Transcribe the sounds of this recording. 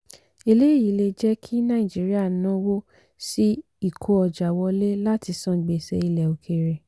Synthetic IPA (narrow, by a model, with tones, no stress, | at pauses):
e˧˨le˦˨ji˨˦le˧d͡ʒɛ˦kʰi˦nã˦ĩ˨d͡ʒi˨˦ɾi˦a˦˨nã˨˦wo˦ | si˦ | i˦˨kʰo˨˧˦ɔ˧d͡ʒa˨wɔ˧le˦la˦ti˧sɔ̃˦˨ɡ͡be˨sɛ̰˧i˧lɛ˨o˨kʰe˧ɾe˨